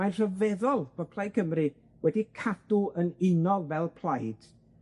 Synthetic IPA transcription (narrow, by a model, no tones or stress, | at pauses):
ajnr̥əvɛðɔlˠb̥ɔpʰlˠaj̚kʰəmrɨ | wɛdikʰad̥ʊənɪnɔlˠvɛlˠpʰl̥ˠajd̥